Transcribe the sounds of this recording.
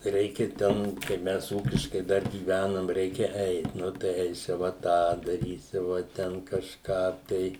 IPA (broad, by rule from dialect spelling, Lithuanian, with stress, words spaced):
ˈrʲɛɪkʲɛ ˈtʲɛn kɐɪp ˈmʲɛs ˈuːkʲɪʃkɐɪ ˈdɐr ɡʲiːˈʋʲænɐm ˈrʲɛɪkʲɛ ˈɛɪt ˈnʊ tɐɪ ˈɛɪsʲɪʋɐ ˈtɑː dɐˈrʲiːsʲɪʋɐ ˈtʲɛn kɐʃˈkɑː tɐɪ